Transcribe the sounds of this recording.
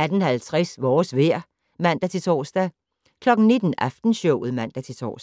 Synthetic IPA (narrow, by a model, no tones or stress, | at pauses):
æd̥ən̩hælt͡sʰʁasʋɒːsʋeɐ̰ | mæn̰d̥æt͡sʰe̝t͡sʰɒ̰ːsd̥æ | kʰlɒ̽ɡ̥n̩ne̝d̥n̩ɑfd̥n̩ɕɔʊ̰ð̩ˠmæn̰d̥æt͡sʰe̝t͡sʰɒ̰ːs